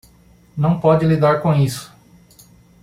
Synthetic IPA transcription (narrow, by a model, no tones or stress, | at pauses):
nɐ̃w̃pɔd͡ʒɪlid̪aɾkõisʊ̥